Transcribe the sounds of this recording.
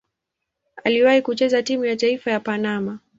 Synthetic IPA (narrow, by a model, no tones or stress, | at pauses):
a̰liwahikut͡ʃɛzatimujataifajapanama